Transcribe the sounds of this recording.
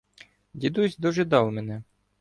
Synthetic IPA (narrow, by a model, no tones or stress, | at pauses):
dʲid̪usʲd̪ɔʒɪd̪ɑwmɛnɛ